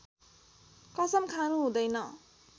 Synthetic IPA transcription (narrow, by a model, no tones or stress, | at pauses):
kʌsʌmkʰaɾuɦũd̪ʌjnʌ